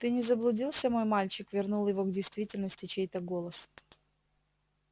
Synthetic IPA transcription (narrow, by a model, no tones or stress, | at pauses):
t̪ɨnʲɪzəblˠʊdʲilˠsʲəmo̞jmalʲt͡ɕɪkvʲɪrnulˠjɪvo̞ɡdʲɪjst̪vʲitʲɪlʲnəsʲtʲɪt͡ɕejt̪əɡo̞lˠəs